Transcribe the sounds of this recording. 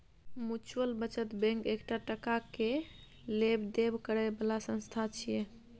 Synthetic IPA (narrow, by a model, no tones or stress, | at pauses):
mut͡ʃuəlbət͡ʃət̪bɛ̃ŋkekʈaʈəkake | lebd̪ebkəɾɛbəlasə̃nst̪ʰat͡ʃʰijɛ